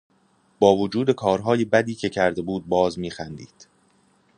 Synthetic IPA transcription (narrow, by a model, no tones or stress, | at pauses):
b̥ɒːvod͡ʒuːd̪e̞kʰɒːɾɦɒːje̞bæd̪iːcʰe̞cʰæɾd̪e̞buːd̪̚bɒːzmiːxænd̪iːd̪̥